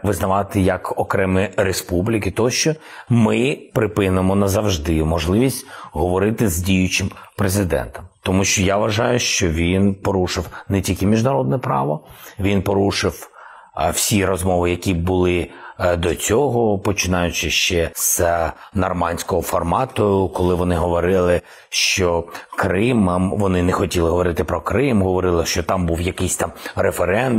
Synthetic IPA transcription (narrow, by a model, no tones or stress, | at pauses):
ʋɪznɐʋɑt̪ɪjɐkɔkɾɛmɪɾespublʲikʲɪt̪ɔɔʃt͡ʃɔmɪpɾɪpɪnɪmɔnɐzɐwʒd̪ɪmɔʒlˠɪʋʲisʲtʲɦɔʋɔɾɪt̪ɪzdʲijʊt͡ʃɪmpɾezɪd̪ɛ̰nt̪ɔmt̪ɔmuʃt͡ʃɔjaʋɐʒɑjʊʃt͡ʃɔʋʲinpɔɾuʃɪwnɛtʲilʲkɪmʲiʒdnɐɾɔd̪̚nɛpɾɑ̰ʋɔʋʲinpɔɾuʃɪw | w̥sʲiɾɔzmɔʋɪjɐkʲibʊlˠɪd̪ɔt͡sʲɔɦɔpɔt͡ʃɪnɑjʊt͡ʃɪʃt͡ʃɛsnɐrmɑnʲsʲkɔɦɔfɔrmɑt̪ʊkɔlˠɪʋɔnɪɦɔʋɔɾɪlˠɪ | ʃt͡ʃɔkɾɪmɐmʋɔnɪnɛxɔtʲilˠɪɦɔʋɔɾɪt̪ɪpɾɔkɾɪmɦɔʋɔɾɪlˠɪʃt͡ʃɔt̪ɑmbuwjɐkɪjsʲt̪ɑmɾefeɾɛnd̪